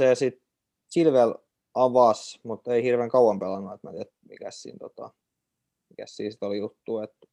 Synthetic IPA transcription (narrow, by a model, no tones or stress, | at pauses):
sesit̪ | silʋel | ɑʋɑsmut̪eihirʋeːŋkɑuɑmpelɑnːuet̪mæ̰et̪mḭkæ̰ssḭːnt̪ot̪ɑ̰ | mikæssḭːnsi̥t̪olijut̪ːuːet̪